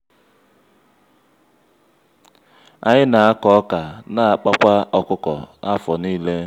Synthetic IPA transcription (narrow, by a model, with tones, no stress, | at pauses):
a̰˨ɲɪ˦na˨a˦kɔ˨˦ka˨na˦a˨k͡pa˦kʷa˦ɔ˦kʊ˦kɔ̰˨a˦fɔ˨niː˦le˦